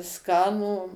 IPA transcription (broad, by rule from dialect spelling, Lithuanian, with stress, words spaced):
ˈskɑːnuː